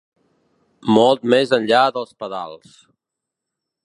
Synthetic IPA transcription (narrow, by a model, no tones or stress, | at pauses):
mɔlˠt̪mezənʎaðəlˠspəða̰lˠs